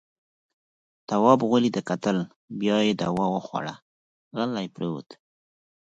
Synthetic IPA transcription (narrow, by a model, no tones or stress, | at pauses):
t̪awɑbɣʊlid̪əkat̪əl | bjɑjed̪a̰wɑwəxwa̰ɽa̰ | ɣalajpɾewṵt̪